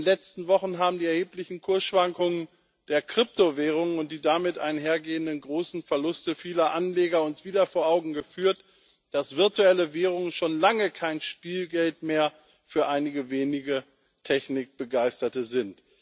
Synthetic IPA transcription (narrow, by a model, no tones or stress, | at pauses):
nlɛt͡stn̩vɔχn̩ɦaːbm̩diːɛɐheːplɪçn̩kʰʊɐsʃv̥aŋkʊŋən | d̥eːɐkʁ̥ɪp̚tovɛːʁ̞ʊŋnʊnt̚d̥iːdamɪtʔa̰ɪnɦeːɐɡeːəndənɡʁoːsn̩fɛɐlʊstəfiːlɐʔanleːɡɐʊnsv̥iːdɐfoːɐʔaʊɡŋ̩ɡəfyːɐt | d̥asv̥ɪɐtuɛləvɛːʁ̞ʊŋənʃoːnlaŋəkʰaɪnʃpiːlɡɛltmeːɐ | fyːɐʔaɪnɪɡəveːnɪɡə | tʰɛçnɪk̚b̥əɡaɪstɐtəzɪnt